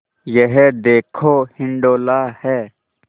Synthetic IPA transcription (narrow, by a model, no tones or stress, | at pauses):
jeɦed̪eːkʰoːhɪ̃ɳɖoːlaːhɛː